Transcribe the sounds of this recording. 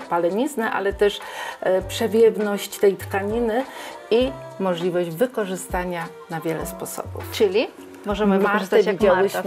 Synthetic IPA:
palɛɲiznɛʔa̰lɛt̪ɛʂpʂɛvʲjɛvnɔɕt͡ɕt̪ɛjt̪kaɲinɘ | i | mɔʐlʲivɔʑd͡ʑvɘkɔʐɘst̪aɲa | navʲjɛlɛ̰spɔsɔ̰bṵft͡ʂɘlʲi | mɔʐɛmɘasɛvjaid͡ʑawɕ

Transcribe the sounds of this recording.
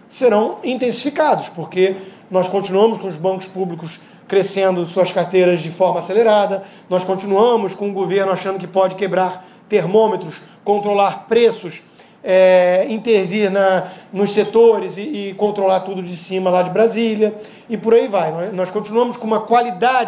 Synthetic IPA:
seɾɐ̃w̃ĩt̪ẽsi̥fikad̪ʊspoɾke | nɔskõnt͡ʃinuɐ̃mʊʃkõʊzbɐ̃ŋkʊ̥spublikʊs | kɾesẽnd̪ʊsuɐskaɾt̪ejɾɐzd͡ʒɪfɔɾmɐaseleɾad̪ɐ | nɔskõnt͡ʃinuɐ̃mʊskõʊɡoveɾnʊaʃɐ̃nd̪ʊkɪpɔd͡ʒɪkebɾaɾ | t̪eɾmõmet̪ɾʊskõnt̪ɾolaɾpɾesʊs | ɛĩt̪eɾviɾnɐnʊsset̪oɾɪzɪːkõnt̪ɾolaɾt̪ud̪ʊd͡ʒɪsĩmɐlad͡ʒɪbɾazilʲjɐ | ɪpʊɾaivajnɔnɔskõnt͡ʃinuɐ̃mʊskõũmɐkwalid̪ad͡ʒ

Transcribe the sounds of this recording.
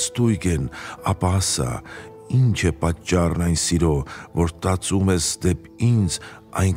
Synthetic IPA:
st̪ujɡɛnɑpɑsɑ̰ | int͡ʃʰɛpɑt͡ʃːɑrnɑjnsiɾɔvɔɾt̪ɑt͡sumɛsd̪ɛp | ind͡z | ɑjn

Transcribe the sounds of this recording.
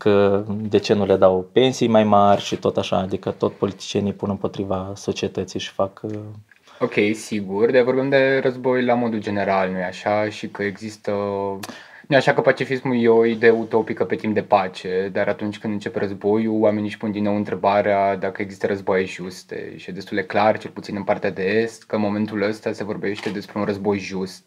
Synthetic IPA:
kəd̪e̞t͡ʃe̞nule̞d̪awpe̞nsijmajmarʲʃit̪o̞t̪aʃa̰ːd̪ikət̪o̞t̪sʲpo̞lit̪i̥t͡ʃienijpunɨmpo̞t̪ɾivaso̞t͡ʃie̞t̪ət̪sijʃi̥fak | o̞kʲe̞jsiɡurd̪avo̞rbimd̪e̞rəzbo̞jlamo̞d̪uld͡ʒe̞ne̞ɾalnujeaʃaʃikəe̞ɡzist̪ə | nujaʃakəpat͡ʃifismujeoid̪e̞ut̪o̞pikəpe̞t̪imp̚d̪e̞pat͡ʃe̞d̪aɾʔat̪unt͡ʃʲkɨnd̪ɨnt͡ʃe̞peɾəzbo̞juwame̞niʃpund̪inːowɨnt̪ɾe̞baɾead̪akəeɡzist̪əɾəzbajeʒust̪ḛʃijed̪e̞st̪uld̪e̞klart͡ʃe̞lput̪sinɨnpart̪ead̪e̞e̞st̪kəɨnmo̞me̞nt̪uləst̪ase̞vo̞rbe̞ʃt̪e̞d̪e̞spɾe̞unrəzbo̞jʒust̪̚

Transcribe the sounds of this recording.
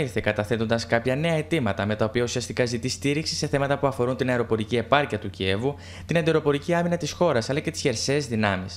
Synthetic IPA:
iθekɐt̪ɐθe̞t̪o̞nd̪ɐskɐpçɐne̞ɐe̞t̪imɐt̪ɐme̞t̪ɐopiɐusiɐst̪ikɐzit̪ist̪iɾiksi̥se̞θe̞mɐt̪ɐpuɐfo̞ɾunt̪inɐeɾo̞po̞ɾicie̞pɐɾciɐt̪ucie̞vu | t̪inɐnd̪e̞ɾo̞po̞ɾiciɐminɐt̪isxo̞ɾɐsɐlɐce̞t̪i̥sçe̞ɾse̞ːzðinɐmis

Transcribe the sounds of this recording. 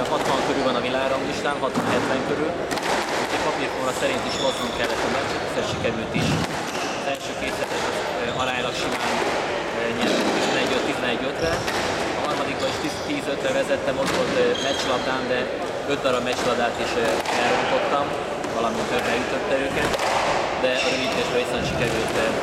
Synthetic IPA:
ɦɒt̪ʋɒŋkøɾylvɒnɒvilaːɡɾomliʃt̪aːnɦɒt̪ʋɒnɦɛt̪vɛŋkøɾyl | utɛpɒpirtoɾɒsɛɾint̪iʃot̪hoŋkɛlːɛt̪ːɒmɛt͡ʃɛt̪ːi̥zɛʃikɛɾylt̪iʃ | ɒzɛlʃøːkeːt̪sɛt̪ɛnɒz | ɒɾaːɲlɒkʃimaːn | ɲɛlɛt̪izɛnɛɟøt̪t̪ːizɛnɛɟːøt̪ɾɛ | ɒɦɒrmɒd̪ikbɒiʃt̪it̪iːzøt̪ɾɛvɛzɛt̪ːɛmo̞t̪ʋo̞lt̪mɛt͡ʃlɒd̪aːnd̪ɛ | ø̞t̪̚d̪ɒɾɒbmɛt͡ʃlɒd̪aːt̪iʃɛlɾo̞mt̪o̞t̪ːɒm | vɒlɒmint̪øbːɛjyt̪o̞t̪ːɛøːkɛt̪ | d̪ɛɒɾøvit̪eːʃbɛisnɛʃikɛɾylt̪

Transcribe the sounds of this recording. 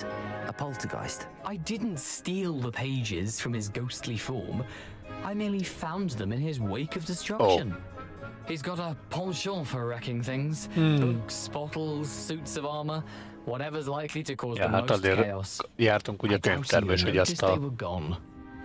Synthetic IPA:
əpʰʌlˠtʰəɡa̰ɪst | ʔaɪdɪdⁿn̩tstiːlˠðəpʰeɪd͡ʒɪz̥fɹʌ̃mɪzɡoʊstʰˡlifɔ̰ɹm | aɪmɪnlifãʊ̃nðə̃mɨ̃nɪzweɪkəvdɨstɹ̥ʌkʃə̃n | hizɡɑɾəpʰɔ̃lˠʃɔfəɹɛkɪ̃ŋθɪ̃ŋz̥bokspɑɾl̩ˠz̥sʉtsəvɑɹmə | wɒɾɛvə˞zlaɪkliɾɨkʰɔːzmɔdiɔsjɾt̪ə̃ŋkud͡ʒat̪ɛ̃t̪ɛɾmɪʃkəjaʌstɪwəɡɔ̃n

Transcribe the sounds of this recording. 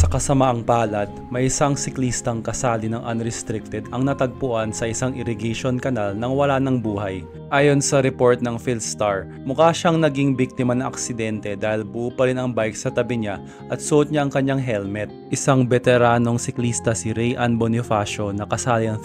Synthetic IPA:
sɐkɐsɐmaʔɐŋpaːlɐd̪̚mɐjɪsaŋsɪkliːst̪ɐŋkɐsaːlɪnɐŋʔɐnɾɛst̪ɾɪk̚t̪ɛd̪ʔɐŋnɐt̪ɐɡ̚pʊʔansɐʔɪsaŋʔɪɾɪɡɛʃo̞nkɐnalnɐŋwɐlanɐŋbuːhɐj | ʔaːjo̞nsɐɾɛpo̞ɹt̪̚nɐŋfilst̪aɹ | mʊkaːʃaŋnɐɡiŋbik̚t̪ɪmɐnɐʔɐ̰ksɪd̪ɛnt̪ɛd̪aːhɪlbʊʔuːpɐɾɪnɐŋbajksɐt̪ɐbɪɲa | ʔɐt̪sʊʔot̪̚ɲaʔɐŋkɐɲaŋɦɛlmɛt̪̚ʔɪsaŋbɛt̪ɛɾaːno̞ŋsɪklist̪ɐsɪɾɛjʔɐnbonɪfaːʃo̞nɐkɐsaːlɪnɐŋ

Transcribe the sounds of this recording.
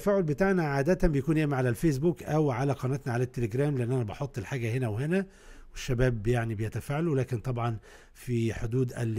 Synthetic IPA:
fæːʕolbet̪aʕnæʕaːd̪æt̪æmbejækuːnjeʔmiʕalælfeːs̬buːkʔæwʕalæqɑnæt̪næʕalæt̪ːeleɡɾæːmleʔenːʔænæbɑħot̪ˤːelħaːɡæhenæwhenæ | weʃːæbæːbːjaʕnibejæt̪æfaːʕalowlæːkent̪ˤɑbʕɑn | fiħod̪uːd̪ʔæl

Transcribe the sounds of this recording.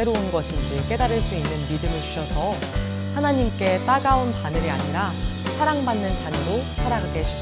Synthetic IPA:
eɾounɡʌɕʰind͡ʑik͈e̞daɾɯɭs͈uinːɯnmidɯmɯɭt͡ɕu̥ɕʰʌsʰʌ | hanaɲimk͈e̞t͈aɡaonpanɯɾiaɲiɾa | sʰaɾaŋbanːɯnt͡ɕaɲɯɾosʰaɾaɡaɡeɕʰi̥

